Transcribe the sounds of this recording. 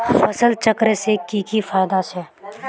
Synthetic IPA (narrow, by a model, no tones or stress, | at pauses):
fɐsəlt͡ʃəkɾesekiːkifaːjd̪ase